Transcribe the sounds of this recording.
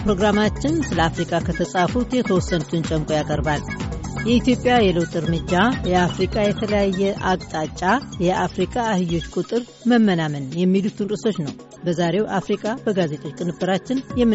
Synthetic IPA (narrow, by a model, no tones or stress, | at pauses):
pɾo̞ɡɾamat͡ʃːɪnsɨləafɾikʼakʰət̪ʰəsʼafut̪jɛt̪ʰəwɔsːənut̪ʰɨnt͡ʃʼəmkʼo̞jakʼəɾbaljɛit̪jo̞pʼjajɛləwt̪ʼɨɾmɨd͡ʒːajɛafɾikʼajɛt̪ʰələjajːɛʔakʼt̪ʼat͡ʃʼːajɛʔafɾikʼaːhɨjo̞t͡ʃːkʼut̪ʼɨɾ | məmːənamənjɛmːilut̪ʰɨnɾʼɨso̞t͡ʃːnəw | bəzaɾe̞wʔafɾikʼabəɡaze̞t̪ʼo̞t͡ʃkʼɨnɨbːɨɾat͡ʃːɪnjɛmːɨ